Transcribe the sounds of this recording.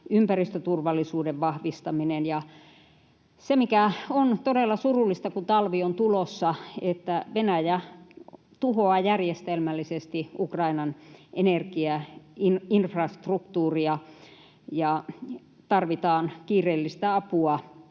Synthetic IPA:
ympærist̪øt̪urʋɑlːˑisuːdeʋʋɑhʋist̪ɑminenjɑ | semikæont̪odelːɑsurulːˑist̪ɑkut̪ɑlʋiont̪ulosːɑet̪ːæʋenæjæ | t̪uhoɑjærjest̪elmælːisest̪iʔukrɑinɑnenerkiæininfrɑst̪rukt̪uːriɑ | jɑ | t̪ɑrʋit̪ɑːnkiːreːlːist̪æɑpuɑ

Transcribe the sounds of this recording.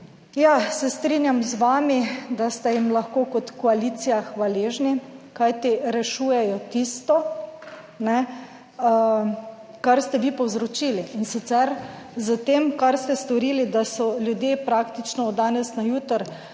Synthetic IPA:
jasɛst̪ɾinjamzʋaːmid̪ast̪ɛjimlaxkoːkɔt̪kɔaliːt̪sijaxʋaleːʒnikajt̪iɾɛʃuːjɛjɔt̪ist̪ɔ | nɛ | kaɾst̪ɛʋipɔwzɾɔt͡ʃiːliːnsit̪sɛɾzət̪eːmkaɾst̪ɛst̪ɔɾiːlid̪asɔlʲjud̪jepɾakt̪it͡ʃnɔːd̪aːnɛsnajuːt̪əɾ

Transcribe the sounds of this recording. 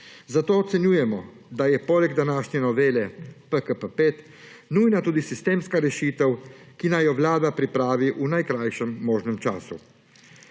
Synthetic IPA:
zat̪oːɔt̪sɛnjuːjɛmɔ | d̪ajɛpoːlɛɡd̪anaːʃnjɛnɔʋeːlɛpəkəpəpet̪ | nuːjnat̪uːd̪isist̪eːmskaɾɛʃiːt̪ɛwkinajɔʋlaːd̪apɾipɾaːʋiʔunajkɾajʃɛmːoːʒnɛmt͡ʃa̰ːsṵ

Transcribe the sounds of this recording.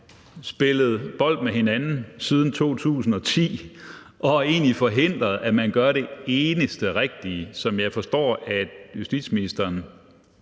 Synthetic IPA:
sb̥e̝ləð̞̩ˠb̥ɒ̽l̰d̥meɦe̝nænn̩sið̞ˠn̩t͡sʰo̝̰ːt͡sʰṵːsn̩ɒ̽t͡sʰḭː | ʔɒ̽æe̝ːnlifɒ̽ɦe̝n̰d̥ʁɐðˠæmænɡ̥ɶɐɾe̝e̝ːnəsd̥əʁeɡ̥̚d̥isɒ̽mjɑ̈ɪfɒ̽sd̥ɒ̰ːæjusd̥ḭd̥sminisd̥ɐːn

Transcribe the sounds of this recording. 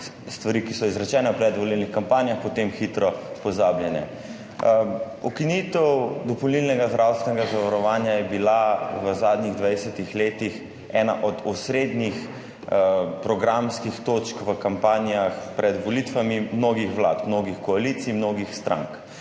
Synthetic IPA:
st̪ʋaɾiːkisɔizɾɛt͡ʃɛːnɛpɾɛd̪ʋɔlilnixkampaːnjaxpɔt̪emxit̪ɾɔpɔzaːbljɛnɛ̰ | ɔkinit̪ɛwd̪ɔpɔlnilnɛɡazd̪ɾʔawst̪ʋɛnɛɡazaʋaɾɔʋaːnjajɛbilaʋəzaːd̪niɣd̪ʋajsɛt̪ixleːt̪ix | ɛːna̰ʔɔd̪ɔsɾed̪nix | pɾɔɡɾamskixt̪ot͡ʃkʋəkampaːnijaxpɾʔɛd̪ʋɔlit̪ʋamimnoːɡixʋla̰ːt̪mnoːɡixkɔalit̪simnoːɡixst̪ɾʔa̰ŋk

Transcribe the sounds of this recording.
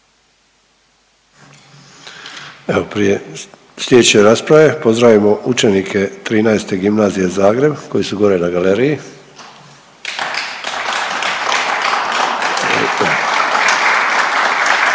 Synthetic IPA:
eopɾije̞ | slʲjed̪t͡ɕeɾaspɾaʋe̞pozd̪ɾaʋimo̞ʔut͡ʃe̞nikʰe̞t̪ɾiːnajst̪e̞ɡimnaːzije̞zaːɡɾe̞bko̞jisuɡo̞ɾe̞naɡaleɾiji

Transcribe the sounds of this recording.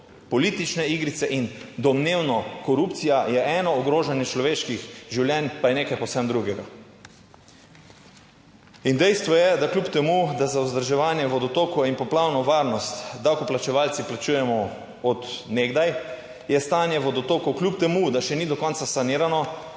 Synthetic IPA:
pɔlit̪it͡ʃnɛiɡɾit̪sɛʔind̪ɔmneːwnɔkɔɾupt̪sijajɛʔɛːnɔɔɡɾoːʒanjɛt͡ʃlɔʋeːʃkixʒiwljɛnpajɛneːkajpowsɛmd̪ɾuɡɛɡa | ind̪ɛjst̪ʋɔjɛd̪aklʲupt̪ɛmud̪azauzd̪əɾʒɛʋaːnjɛʋɔd̪ɔt̪oːkɔinpɔplawnɔʋaɾnɔst̪d̪awkɔplat͡ʃɛʋaːlt̪siplat͡ʃuːjɛmɔ | ɔt̪neːɡd̪aj | jɛst̪aːnjɛʋɔd̪ɔt̪oːkɔklʲup̚t̪ɛmud̪aʃɛnid̪ɔkɔnsasaniːɾanɔ

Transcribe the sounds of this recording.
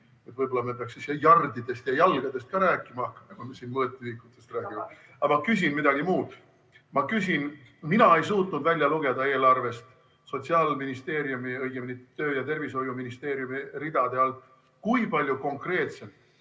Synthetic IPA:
e̞t̪ːˑvɤjbo̞lːɑme̞peɑksisejɑrd̪id̪̥e̞st̪jɑjɑlɡ̥ɑd̪e̞st̪̚kɑɾæːkːˑimɑɑkːɑ̥mɑkumesiːnmɤːt̪ːˑyikːˑut̪ːˑe̞st̪ræːɡ̥ime | ɑmɑkys̬ʲinmid̪ɑɡ̥imuːd̪̥ | mɑkysin | minɑe̞jsuːt̪nud̪vælʲjɑluɡ̥e̞d̪ɑe̞ːlɑrve̞st̪ | so̞t̪ʲsiɑlminist̪e̞ːɾjumiɤjɡ̥eminit̪ːøːjɑt̪e̞rviso̞juminist̪e̞ːɾjumirid̪̥ɑd̪̥e̞ɑlt̪ːˑ | kujpɑlʲjuko̞ŋkre̞ːt̪se̞m

